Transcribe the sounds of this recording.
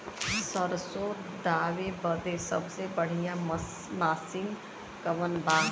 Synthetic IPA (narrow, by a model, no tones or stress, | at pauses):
səɾso | d̪aːwebəd̪esʌ̰bsebəɽ̤ijã | masin | kəʋənba